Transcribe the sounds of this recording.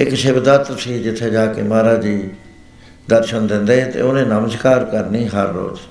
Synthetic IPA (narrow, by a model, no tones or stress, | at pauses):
ɪkʃebd̪aːt̪ɾəsiːd͡ʒɪt̪ʰːeːd͡ʒaːkḛmaːɾaːd͡ʒiː | d̪əɾʃənd̪ɪ̃nd̪eːɦɛːt̪ḛːoːnẽːnəməskaːɾkəɾniːɦəɾːo̰ːz